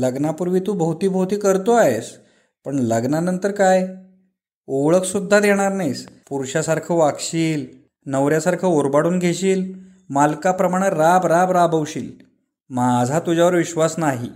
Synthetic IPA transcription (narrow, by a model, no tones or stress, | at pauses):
ləɡnapuɾʋiːt̪ubəɦut̪iːbʱəɦut̪iːkəɾt̪oaɦes | pəɳləɡnanənt̪əɾkaj | oɭəkʰsud̪ʱːad̪eɽ̃aɾnajspuɾɕasaɾkʰəʋakɕiːl | nəʋɾjasaɾkʰəoɾbaɽuːnɡʱeɕiːl | malkapɾəmaɽ̃əɾabɾabɾabəwɕḭːl | mad͡zʱat̪ud͡ʑaʋəɾʋiɕʋasnaɦi